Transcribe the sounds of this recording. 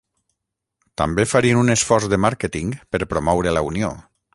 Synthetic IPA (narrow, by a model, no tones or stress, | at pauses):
t̪a̰mbefaɾiənunesfɔɾzðəmaɾkət̪iŋpəɾpɾomɔwɾələunio̰